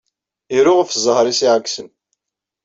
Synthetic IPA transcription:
iɾʊʁəfzˤəhɾˤisiʕaksən

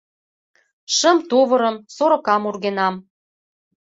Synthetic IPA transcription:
ʃə̆mt̪oβɤ̆ɾə̆msoɾɤ̆kɑmurɣenɑm

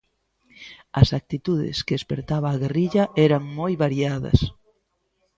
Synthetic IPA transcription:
ɐsak̚t̪it̪uðɪ̰skeespeɾt̪aβaːɣeriʎɐʔɛɾɐŋmojβaɾiaðɐ̰s

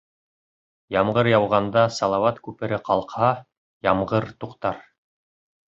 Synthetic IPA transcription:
jɑmʁɤɾjɑwʁɑnd̪ɑsɑlˠɑwɑt̪kʉpɘ̆ɾɘqɑlˠqhɑ | jɑmʁɤɾt̪uqt̪ɑɾ

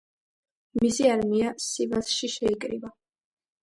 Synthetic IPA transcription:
misiaɾmiasivasʃiʃɛikʼɾḭva

